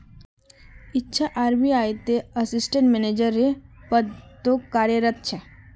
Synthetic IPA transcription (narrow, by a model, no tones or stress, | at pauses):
ɪtːʃʰaʔaːɾbiaːjt̪eɐsɪsʈẽɳʈmened͡ʒəɾːepət̪ːokːaːɾjəɾət̪̚t͡ʃʰe